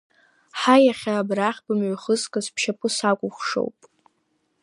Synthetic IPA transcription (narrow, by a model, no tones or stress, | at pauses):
ħajaχʲaːbraχʲbɨmʕʷaχəzkʼɨzpʰʃapʼɨsakʷʼʊχʷʂo̰wpʼ